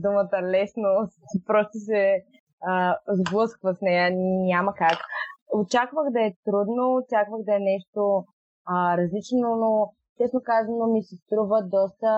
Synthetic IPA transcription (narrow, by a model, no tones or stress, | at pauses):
d̪umət̪əlɛsnopɾɔst̪os̬ɛ | əzblˠɤskvɐsnɛjənʲamɐkakot͡ʃakvəxd̪ɐɛt̪ɾud̪noːt͡ʃakvəɣd̪ɐɛnɛʃt̪o | əɾɐzlit͡ʃnono | t͡ʃɛsnokazvɐnomisɛst̪ɾuvəd̪ɔst̪ə